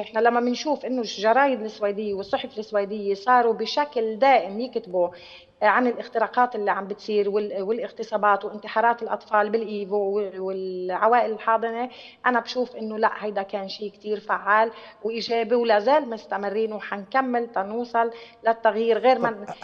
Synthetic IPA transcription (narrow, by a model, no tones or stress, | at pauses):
ʔɪħnalamːamɪnʃuːfʔɪnːoʒɑɾˤɑːjɪd̪ɪsːwajd̪ɪjːewɨsˤːʊħfɪlɪsːwaːd̪ɪjːesˤɑːɾˤubɪʃakld̪aːʔɪmjɪkt̪ɪbu | ʕanɪlʔɪxt̪ɪɾˤɑːqɑːt̪ʔɪlːiʕambɪt̪sˤiːɾwɪwɪlʔɪɣt̪ɨsˤɑːbɑːt̪wʔɪnt̪ɪħɑːɾˤɑːt̪ɪlʔɑ̰t̪ˤfɑːlbɪlʔiːvowɪlʕawaːʔɪlɪlħɑːd̪ˤɨne | ʔanabʃuːfʔɪnːolaʔhajd̪akeːnʃiːkt̪iːɾfaʕːaːlwʔiʒeːbiwlaːzeːlmʊst̪amɪrːiːnwħankamːɪlt̪ɑnuːsˤɑlː | at̪ːaɣjiːɾɣeːɾma